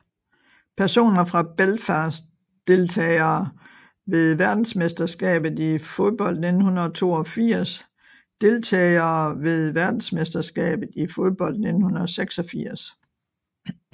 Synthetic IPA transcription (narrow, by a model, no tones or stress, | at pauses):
pʰæɐso̝̰ːnɐfʁɑ̈b̥elfæs | d̥e̝lt͡sʰɛ̰ɪɐː | ʋe̝ð̞ˠʋæɐd̥n̩smesd̥ɐsɡ̥ɛ̰ːb̥ð̩ˠifo̝ð̞ˠb̥ɒ̽l̰d̥ne̝d̥n̩hunɐðˠt͡sʰo̝̰ːɒfiɐ̰s | d̥e̝lt͡sʰɛ̰ːɪɐːʋe̝ð̞ˠʋæɐd̥n̩smesd̥ɐsɡ̥ɛ̰ːb̥ð̩ˠifoð̞ˠb̥ɒ̽l̰d̥ne̝d̥n̩hunɐðˠɒseɡ̥sɒ̽fiɐ̰s